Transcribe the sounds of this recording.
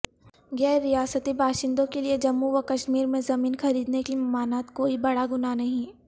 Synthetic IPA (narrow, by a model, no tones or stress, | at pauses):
ɡɛːɾijaːsət̪ibʱaːʃɪ̃nd̪õkelied͡ʒɐmːuʋɐkɐʃmiːɾmẽzɐmiːnxɐɾiːd̪nekimɐmaːnaːt̪koːibɐɽaɡʊnanɐɦĩ